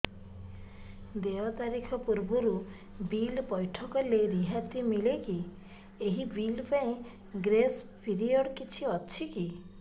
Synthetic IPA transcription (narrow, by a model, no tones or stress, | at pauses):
d̪eɔt̪aɾikʰɔpuɾbɔɾu | bilpɔjʈʰɔkɔleɾiɦat̪imileki | eɦibilpaẽ | ɡɾes | pʰiɾiɔɽkit͡ʃʰiɔt͡ʃʰiki